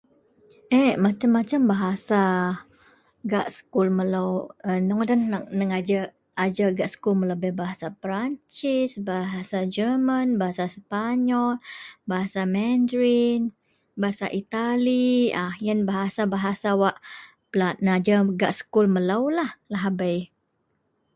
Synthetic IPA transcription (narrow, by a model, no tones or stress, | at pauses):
ʔɛmat͡ʃamːat͡ʃambaɦasa | ɡaʔsə̥kulməlawənɔŋdanak̚nəŋad͡ʒa | ad͡ʒaɡaʔsə̥kulmələbɛhbaɦasapɾaɲt͡ʃɪsbaɦasad͡ʒəmanbaɦasaspaɲɔlbaɦasamɛndɾin | baɦasa̰ʔit̪aliajanbaɦasabaɦasawaʔ | planəad͡ʒaɡaʔsə̥kulməlawlahlaɦabaj